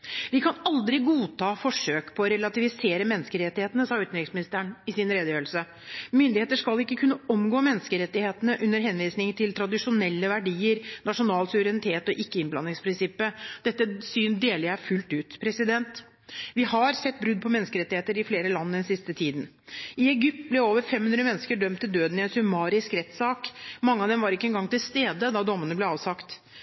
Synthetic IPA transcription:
ʋɪkʰɑnɑld̪ɾɪɡuːt̪ʰɑːfɔʂøːkpʰɔːɾɛlɑt̪ɪʋɪseːɾəmɛnːskəɾɛt̪ːɪheːt̪ənəsɑːʉːt̪nɾɪŋsmɪnɪst̪əəɳɪsɪnɾeːd̪əjøːlsə | mʏnd̪ɪheːt̪əʂkɑlɪkːəkʰʉnːəɔmɡoːmɛnːəskəɾɛt̪ːɪheːt̪ənəʔʉnːəɾɦɛnʋiːsnɪŋt̪ʰɪlt̪ʰɾɑd̪ɪʂʊnɛlːəʋæɖiːəɾnɑʂʊnɑːlsʉʋəɾɛnɪt̪ʰeːt̪ɔʔɪkːəɪnblɑnːɪŋspʰɾɪnsɪpːəd̪̥ɛt̪ːəsyːnd̪eːlɪæfʉlt̪ʉːt̪pʰɾɛsɪd̪ɛnt̪ | ʋɪhɑɾsɛt̪ːbɾʉd̪̚ːpʰɔmɛnːskəɾɛt̪ːɪheːt̪əɾɪfleːɾəlɑnːəd̪ɛnsɪst̪ət̪ʰiːd̪n̩ | ɪɛɡʏp̚t̪̚blɛoːʋəɾfɛmhʉnd̪ɾəmɛnːskəɖœmt̪ʰːɪld̪øːd̪n̩ɪɛnsʉmɑːɾɪskɾɛt̪sɑːkmɑŋːəɑʋd̪ɛmʋɑɾɪkːəɛnɡɑŋt̪ɪlst̪eːd̪əd̪ɑd̪ɔmːənəblɛɑːʋsɑkt̪

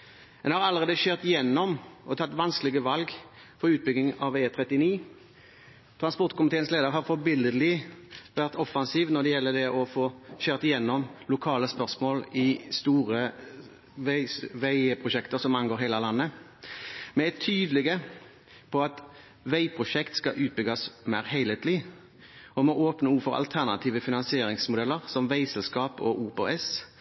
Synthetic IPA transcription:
ɛnhɑɾɑlːəʁeːd̪əɕøːʁt̪ɪjɛnːɔmʔɔt̪ʰɑt̪ːʋɑnskəlɪɡəʋɑlɡ | fɔɾʉːt̪̚bʏɡnɪŋɑʋeːt̪ʰɾɛt̪ːɪniː | t̪ʰɾɑnspɔʁt̪kʰʊmɪt̪ʰeːənsleːd̪əʁɾɦɑɾfɔbɪləd̪lɪʋæʁt̪ɔfɑnsiːʋnɔd̪ɛjɛlːəd̪ɛʔɔfoːɕøːʁt̪ɪjɛnːɔmlʊkʰɑːləspœʁsmoːlɪst̪uːɾə | ʋæɪʋæɪpʰʁʊʃɛkt̪əɾsɔmɑnɡoːɾɦeɪlɑlɑnːə | mɛɛt̪ʰːyːd̪lɛɡə | pʰɔɑt̪ | ʋæɪpʰɾʊʃɛkt̪skɑʔʉːt̪̚bʏɡɑsmæɪʁhæɪlheːt̪lɪ | ɔmɔʔoːpnəuːfɔɾɑ̰lt̪ʰæʁnɑ̰t̪ʰiːʋəfɪnɑnsɪeːɾɪŋsmʊd̪ɛlːəʁsɔmʋæɪsɛlskɑːpɔʔuːpoɛs

